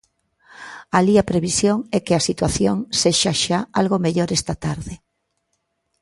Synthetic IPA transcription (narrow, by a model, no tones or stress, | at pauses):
aliapɾeβisjoŋɛkeasit̪waθjoŋseʃaʃaalɣomeʎoɾɛst̪at̪aɾðe